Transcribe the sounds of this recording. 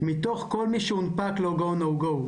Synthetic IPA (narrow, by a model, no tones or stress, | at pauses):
mit̪oχkolmiʃeunpakloɡownoɡow